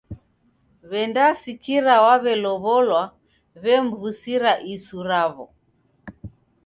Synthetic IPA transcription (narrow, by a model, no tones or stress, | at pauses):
βɛndasikiɾawaβɛlɔβɔlwa | βɛm̩vusiɾaʔisuɾaβɔ